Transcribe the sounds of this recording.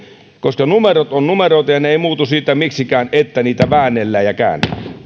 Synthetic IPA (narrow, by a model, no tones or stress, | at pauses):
koskɑnumerot̪onnumeroit̪ɑjɑneeˑimuːt̪usiːt̪ːˑæmiksikæːnet̪ːæniːt̪æʋæːnːˑelːæːjjɑkæ̰ˑːnːḛæ